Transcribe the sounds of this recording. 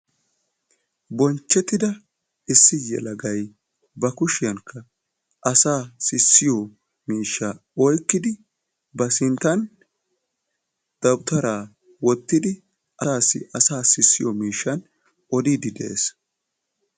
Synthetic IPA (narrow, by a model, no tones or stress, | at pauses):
bɔnt͡ʃːɛt̪ɪd̪ɐ | ɪsːɪjɛ̰lɐɡɐj | bɐkʊʃɪjɐŋkʰːɐ | ʔɐsaːsɪsːɪjɔ | miːʃːa | ɔjkːɪd̪ɪ | bɐsɪnt̪ːɐn | d̪̥ɐwt̪ɐɾaː | wɔt̪ːɪd̪ɪ | ʔɐːsːɪ̰ʔɐsaːsɪsːɪjɔmiːʃːɐn | ʔɔd̪id̪ɪd̪ḛʔḛs